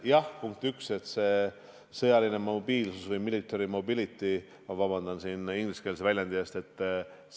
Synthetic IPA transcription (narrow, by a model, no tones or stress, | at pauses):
jɑhpuŋk̚t̪ykse̞t̪se̞ː | sɤjɑline̞mobiːlsusvɤjmilit̪ːˑeɾimo̞bilit̪ːˑi | mɑvɑbɑnd̪ɑnsiːniŋɡliske̞lsevælʲjɑnd̪iest̪e̞t̪ːˑ